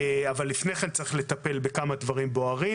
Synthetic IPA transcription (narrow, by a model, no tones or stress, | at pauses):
avalːifne̞jχent͡saʁiχle̞t̪ape̞lbe̞kamadvaʁimbo̞aʁi